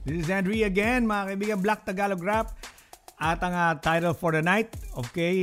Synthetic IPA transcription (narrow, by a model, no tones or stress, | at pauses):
d̪ɪsɪzɛ̃nd̪ɹiɐɡɛnmɐakɐibiːɡɐ̃ŋblak̚t̪ɐɡaːloɡɹap̚ | ʔɐt̪ɐŋat̪ajt̪ɛlfoɹd̪ɐnajt̪̚okɛj